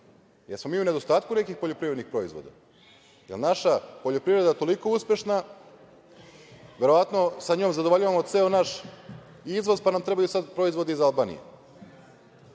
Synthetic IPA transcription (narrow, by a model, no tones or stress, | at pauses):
jeɾsmo̞miːune̞d̪o̞st̪aːt̪̚kune̞kixpo̞ʎo̞pɾivɾed̪nixpɾo̞izʋo̞̰d̪a̰ | jḛlnaʃapo̞ʎopɾivɾe̞d̪at̪o̞liko̞uspʲje̞ʃna | ʋe̞ɾo̞ʋat̪no̞saɲoːmzad̪ooʎaʋamot̪tseonaʃ | izʋo̞zpanamt̪ɾe̞bajusad̪pɾoizʋo̞d̪eizalˠbaːnḭjḛ